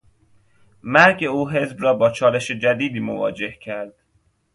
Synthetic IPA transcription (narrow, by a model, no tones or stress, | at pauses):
mæɾɟeuːɦe̞zbɾɒːbɒːt͡ʃʰɒːle̞ʃed͡ʒæd̪iːd̪iːmovɒːd͡ʒe̞hcʰæɾd̪̥